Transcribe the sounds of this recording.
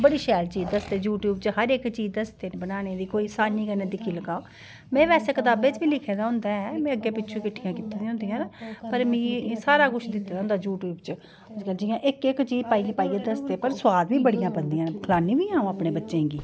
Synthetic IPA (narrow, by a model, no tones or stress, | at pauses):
bəɽiːʃɛːlt͡ʃiːd̪əst̪eːd͡ʒuːʈjuːbt͡ʃɦəɾɪkt͡ʃiːd̪əst̪eːnbənaːneːd̪iːkoːiːsaːniːkəneːd̪ɪkʰiːləɡaːoː | mɛ̃ːʋɛːseːkət̪aːbeːt͡ʃbiːlɪkʰeːd̪aːɦʊ̃nd̪aːɛmɛ̃ːəɡːeːpɪtːʃʰũːkɪʈʰːɪjãːkɪt̪ĩːd̪ĩːɦʊ̃nd̪ijãːnpəɾmĩːsaːɾaːkʊʃʰd̪ɪt̪ːeːd̪aɦʊ̃nd̪aːd͡ʒuːʈjuːbt͡ʃ | ʊskəld͡ʒɪjãːʔɪkɪkt͡ʃiːpaːiɡeːpaːiɡẽːd̪əst̪eːpəɾsʊwaːd̪ʋiːbəɽijãːbənd̪ijãːnkʰəlaːnĩːʋiːãːõːaːpɽẽːbətːʃẽːɡiː